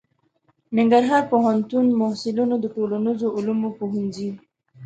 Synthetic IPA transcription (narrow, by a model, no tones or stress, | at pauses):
nɪŋɡaɾɦɑɾpoɦant̪unmohsɪlunod̪əʈolanizoʊlumopoɦinzi